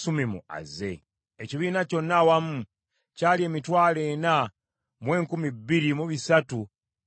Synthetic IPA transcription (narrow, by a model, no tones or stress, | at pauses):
sumimṵa̰ze̞ | eciβiːnaco̞nːawamu | caːlie̞ːmitwaːle̞ːna | mwe̞ːŋkumibːiɾimuβisatu